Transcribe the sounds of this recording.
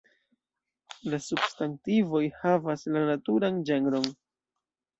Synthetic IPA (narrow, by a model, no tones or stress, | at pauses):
lasubstantivo̞jhavaslanatuɾand͡ʒe̞ŋɾo̞n